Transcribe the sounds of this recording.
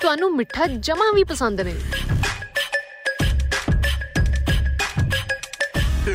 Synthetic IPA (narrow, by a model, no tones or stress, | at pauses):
t̪ʊaːnũːmɪʈʰːaːd͡ʒəmãːʋiːpəsə̃nd̪neː